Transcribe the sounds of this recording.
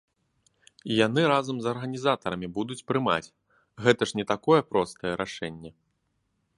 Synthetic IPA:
ijan̪ɨɾazɐmzɐrɣɐnʲizat̪ɐɾɐmʲibud̪ut͡sʲpɾɨma̰t͡sʲ | ɣɛt̪ɐʂnʲɛt̪akɔjɛpɾɔst̪ɐjɛɾʔaʂɛnʲːɛ

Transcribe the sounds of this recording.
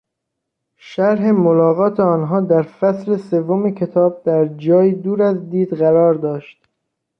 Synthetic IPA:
ʃæɾɦe̞molɒːɣɒːt̪ʰe̞ɒːnɦɒːd̪æɾfæsɾe̞se̞vːomecʰe̞t̪ʰɒːb̚d̪̥æɾd͡ʒɒːjiːd̪uːɾæzd̪iːd̪ɢæɾɒːɾd̪ɒːʃt̪

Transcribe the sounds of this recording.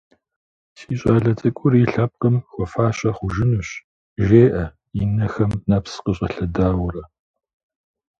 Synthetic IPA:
siːɕʼaːɮɐtʼɨkʷʼʊɾiɬɐp̚qəmxʷɔfaːɕʼɐχʷʊʒɪnuːɕ | ʒeːʔɐ | inɐxɐmnapsqəɕ̬ʼɐɬɐdaːwʊrɐ

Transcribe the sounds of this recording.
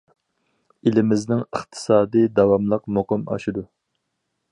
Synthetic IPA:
ilɪmɪznɪŋəχt̪ʰɨ̥sɑːd̪id̪ɑwɑmlˠəqmoqɨmɑ̰ʃid̪u

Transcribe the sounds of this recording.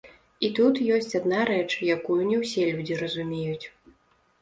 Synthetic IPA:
it̪ut̪jɔsʲt͡sʲad̪naɾɛt͡ʂjakujunʲɛwsʲɛlʲud͡zʲiɾɐzumʲejut͡sʲ

